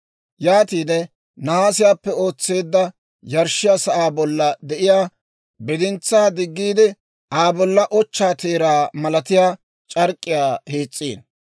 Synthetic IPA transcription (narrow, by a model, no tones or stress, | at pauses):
jaːt̪iːd̪ɛ | nɐhaːsɪjaːpːɛo̞ːt͡sːeːd̪ːɐ | jɐɾʃɪjaːsɐʔaːbɔlːɐd̪ɛʔɪjaː | bɛd̪ɪnt͡sːaːd̪ɪɡːiːd̪ɪ | aːbɔlːɐʔɔt͡ʃːaːt̪eːɾaːmɐlɐt̪ɪjaː | t͡ʃʼɐɾkʼːɪjaːheːt͡sʼːḭːn